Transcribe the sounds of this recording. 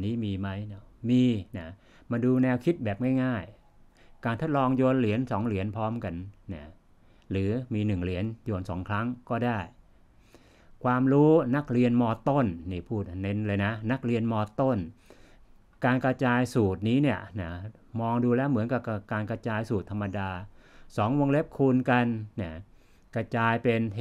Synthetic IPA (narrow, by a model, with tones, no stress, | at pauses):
niː˦˥miː˧ma˦˥jna˧˩miː˧na˦˩ | ma˧duː˧nɛː˧wkʰi˦˥t̪̚bɛː˨˩p̚ŋaː˥˩jŋaː˥˩j | kaː˧nt̪ʰo˦˥t̪̚lɔː˧ŋjoː˧nli˩˦ənsɔ˩˦ŋli˩˦ənpʰɔː˦˥mka˧nna˥˩ | lɯː˩˦miː˧nɯ˨˩ŋli˩˦ənjoː˧nsɔ̰ː˩˦ŋkʰɾa˦˥ŋkɔː˥˩daː˥˩j | kʰwaː˧mɾuː˦˥na˦˥k̚ɾi˧ənmɔː˧t̪o˥˩nːiː˥˩pʰuː˥˩t̪̚ne˦˥nlaː˧jna˦˥na˦˥k̚ɾi˧ənmɔː˧t̪o˥˩n | kaː˧nkɾa˧t͡ɕaː˧jsuː˨˩t̪̚niː˦˥ni˥˩əna˧˥˩ | mɔː˧ŋduː˧lɛː˦˥wmɯ˩˦nka˨˩p̚ka˧˩pkaː˧nka˧t͡ɕaː˧jsuː˨˩t̪ʰːa˧mːa˧daː˧sɔː˩˦ŋwo˧ŋle˦˥p̚kʰuː˧nka˧nːa˧˩ | kɾa˧t͡ɕaː˧jpe˧n